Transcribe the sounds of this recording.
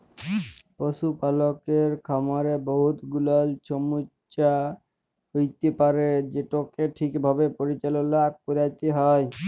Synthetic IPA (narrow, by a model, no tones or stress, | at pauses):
poʃupalokeɾkʰamaɾeboɦut̪ɡulalt͡ɕʰomu | ɕa | ɦojt̪epaɾed͡ʑeʈokeʈʰikbʱabepoɾit͡ɕalonak̚poɾajt̪eɦɔj